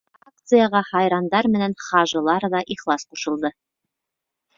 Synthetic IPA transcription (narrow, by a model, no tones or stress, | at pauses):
ak̚t̪sɨjɑʁɑhɑjɾɑnd̪ɑɾmɘ̆nænχɑʒɤ̆lˠɑɾðɑʔiχlˠɑsquʃɤ̆lˠd̪ɤ